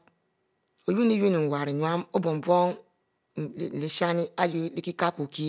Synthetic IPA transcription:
o˨ju˦ni˦ju˦ni˨wa˨ɾi˨ɲʷ˨a˦mo˦bo˨m˨bʷo˦ŋ˨ | le˨ʃa˦ni˦a˦jo˦li˦ki˦ka˦ko˨ki˦

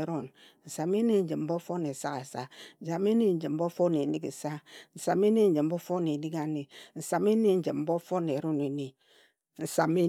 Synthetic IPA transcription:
ɾo˦n | n̩˨sa˨me˦ne˦n̩˦d͡ʒi˨m̩˨˦bo˦fo˦ne˨sa˦ka˨sa˦n̩˨sa˨me˦ne˦n̩˦d͡ʒi˨m̩˦bo˦fo˦ne˨ni˦kn̩˨sa˦n̩˨sa˨me˦ne˦n̩˦d͡ʒi˨m̩˦bo˦fo˦ne˨ni˦ka˦ne˨n̩˨sa˨me˦ne˦˨n̩˦d͡ʒi˨mm̩˦bo˦fo˦ne˨ɾo˦ne˨ne˨ | n̩˨sa˨me˦

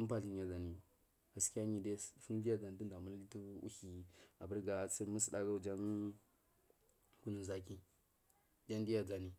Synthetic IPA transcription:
u˦pa˨ɬi˨nja˨za˨ni˨ | ɡa˨ski˦ja˦ɲi˨de˦fu˦n˦di˦ja˦d͡za˨n˨ti˦n˦da˨mu˦li˦tu˦ṵ˦hi˨a̰˨bə˦ɾɡa˨˦t͡si˦mu˦si˨ɗa˦ɡa˦u˦d͡ʒa˦n | ku˦nu˨n˨za˦k̬i˦ | d͡ʒa˦n˦di˦ja˨d͡za˨ni˨

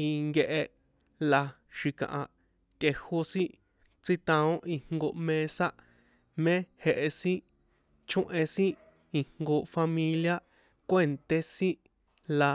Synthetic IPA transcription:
i˧ŋɡe˧ʔe˧ | la˧ | ʃi˧kã̰˨ʔã˨ | t̪ʲe˧ho˧sĩ˦ | t͡si˦t̪ã˧õ˦ʔi˧ŋ̥ŋɡo˧mẽ˧sa˦ | mẽ˦he˧ʔe˧sĩ˦ | t͡ʃõ˦ʔẽ˧sĩ˦ | i˧hŋɡo˧fa˧mĩ˧lja˦ | kʷe˦˨nt̪e˦sĩ˦ | la˧

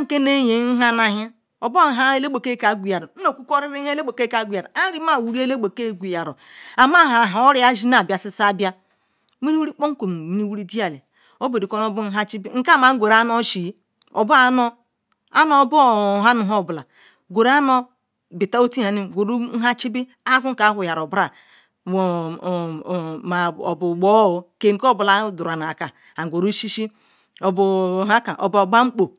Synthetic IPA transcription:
a˦ŋ̩˨ke˦ne˦je˨˦n̩˦ɦa˦na˨ɦi˦ | o˨bo˦˨ɦa˦e˦le˦k͡po˨ke˦ka˨˦ɡʷu˨ja˨ɾo˨n̩˦o˨ku˦ko˦ɾi˦ɾi˦e˦le˦k͡po˨ke˦ka˨˦ɡʷu˨ja˨ɾa˦ɾi˦ma˦˨wu˨ɾi˦e˦le˦ɡ͡bo˨ke˦˨ɡʷu˨ja˨ɾo̰˨a˨ma˦ɦa˨ɦa˨o˦ɾi˦a˦ʒi˦na˨bja˨si˦sa˦˨bja˦ | mi˦ɾi˦wu˦ɾi˦k͡po˦ŋ̩˦kʷo˨m˨mi˨˦ni˦wu˦ɾi˦di˦a˨le˨ | o˦be˨ɾi˨ko˦n˦o˦bu˦n̩˦ɦa˦t͡ʃi˦bi˦ŋ̩˦ka˦˨ma˦ŋ̩˦ɡʷe˨ɾa˦no˦ʃi˨˦ | o̰˨bu˦a˦no˦ | a˦no˦bo˦˨ɦa˦nu˨ɦo˦˨bla˨ | ɡʷo˨ɾa˦no˦ | bi˨ta˦o˦ti˦ha˨ni˦˨ɡʷo˨ɾu˦ɦa˦t͡ʃi˦bi˦ | a˦zu˦ŋ̩˦ka˨˦ɦu˨ja˨ɾo˨bɾa˨ | ma˨o̰˨bu˨ɡ͡bo˦o˨ke˨ŋ̩˦ko˦˨bla˨˦du˨ɾa˨na˨a˨ka˨ | a˨ɡʷo˨ɾu˦ʃi˦ʃi˦ | o˨bu˨a˦ka˨ʔo̰˨bba˦ŋ͡m̩˦k͡po˨

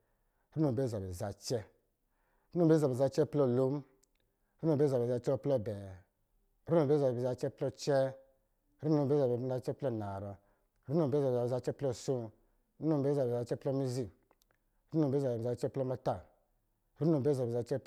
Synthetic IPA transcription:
ɾu˦nu˨be˦˨za˨bɛ˨za˨t͡ʃɛ˦ | ɾu˦nu˨be˦za˨e˨za˧t͡ʃɛ˦plɔ˦˨lo˦m˦ | ɾu˦nũ˨be˦za˨be˨za˧t͡ʃɛ˦ɔ˦plɔ˦˨bɛ˨ | ɾu˦nu˨be˦za˨bi˨za˧t͡ʃɛ˦plɔ˦t͡ʃɛ˦ | ɾu˦nu˧˨be˦za˨bza˧t͡ʃɛ˦plɔ˦˨na˨ɾɔ˧ | ɾu˦nu˨be˦za˨a˧t͡ʃɛ˦plɔ˦˨so˦ | ɾu˦nu˦m˨be˦za˨be˨a˧t͡ʃɛ˦plɔ˦mi˦zi˦ | ɾu˦nu˨be˦za˨bbi˨a˧t͡ʃɛ˦plɔ˦ma˧ta˦˨ | ɾu˦nu˨be˦za˨be˨za˧t͡ʃɛ˦

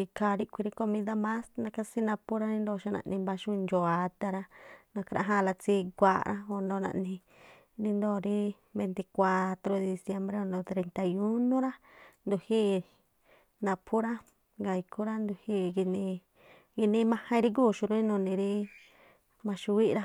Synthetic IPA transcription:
i˧kʰa˧˨ɾi˦kʷi˧ɾi˦ko˧mĩ˧d̪a˦mã˦snã˧ka˦si˦nã˧pu˦ɾa˦nĩ˧nd̪o˧˨ʃu˧nã̰˧ʔnĩ˧mba˧ʃu˧nd͡ʒo˨a˨˧t̪a˧ɾa˦nã˧kɾʔa̰˧ɦã˦˧la˧t͡si˧ɡʷa̰˧ɾʔã̰˦o˧ndõ˧nã̰˧ʔnĩ˧ | nĩ˧nd̪o˦˨ɾi˦ | be˧nt̪i˧kʷa˧t̪ɾo˧˦de˧d̪i˧sje˧mbɾe˦o˧nd̪õ˧˨t̪ɾe˧nt̪a˧ju˦nõ˦ɾa˦nd̪u˧hi˦ | nã˧pʰu˦ɾa˦ | ŋɡa˨˧i˧kʰu˦ɾa˦nd̪u˧hi˧ɡi˧nĩ˧ | ɡi˧nĩ˧mã˧hã˧i˧ɾi˦k̬u˦˨ʃu˧ɾi˦nũ˧nĩ˧ɾi˦ | mã˧ʃu˧wi˦ʔɾa˦

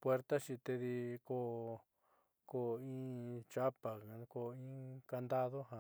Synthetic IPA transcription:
pwe˦ɾt̪a˦t͡ʃi˧t̪e˧ði˧ko˦ | ko˦˧˨ĩ˦t͡ʃa˦pa˨˧ko˧ĩ˦ka˧nd̪a˦ðo˦ɦã˨

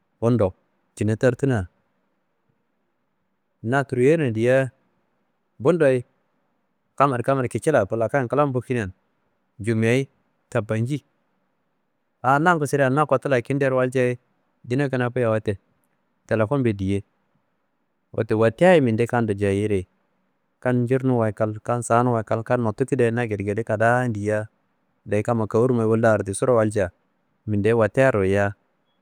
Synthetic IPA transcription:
o˦ndo˨ | t͡ʃi˨na˨ta˦ɾtu˦na˨ | na˨tu˨ɾu˨je˦na˨di˨ja˦ | bu˦ndo˨i˦ | ka˦ma˨ɾka˦ma˨ɾki˨t͡ʃi˦la˨pu˨la˨ka˦˨ka˦la˦m˦bu˦ki˦n˦a˨n | d͡ʒu˨m˨a˨i˦ | ta˨ba˨nd͡ʒi˦ | a˨˦na˦ku˨si˦ɾa˨na˦ko˨ta˦la˨ki˦nde˦ɾwa˦ld͡ʒa˦i˦ | di˦na˦ki˨na˨pu˦ja˨wa˦te˨ | te˨le˨fo˦nbe˨di˨je˦ | wʔo̰˨te˨wa˨ti˦a˦ji˦mi˨nde˦ka˦ndo˨d͡ʒa˨ji˦ɾe˨ | ka˦nd͡ʒi˦ɾnu˦wa˨ka˨lka˦nsa˨˦nu˦wa˨ka˦lka˦nːo˨tu˦ki˦da˨˦na˦ɡe˨ɾɡe˨de˦ka˨da˦ndi˨ja˦ | da˨i˦ka˦ma˨ka˨wu˦ɾu˦ma˨˦wu˦lda˦˨ɾti˨su˦ɾo˦wa˦ld͡ʒa˨ | mi˨nde˦wa˨te˦a˦ɾo˨ja˦

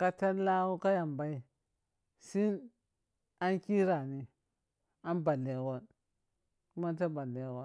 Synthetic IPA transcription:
ka˦ta˦nla˦wu˦ka˦ja˨mba˦i˦ | si˦n | a˦nki˦ɾa˨ni˨ | a˦nba˨lːe˨ɡo˦n | ku˦ma˦n˦t̬a˦ba˨lːe˨˦ɡo˦

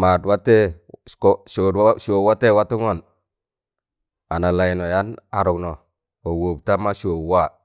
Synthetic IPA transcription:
ma˨dwa˦te˦ | kʃo˨dwʃo˨wa˦te˦˨wa˦tu˦ŋo˦˨n | a˨na˨la˨i˨no˨ja˦na˨ɾu˨kno˨ | o˨wo˨bta˦ma˦ʃo˨wa˦˨

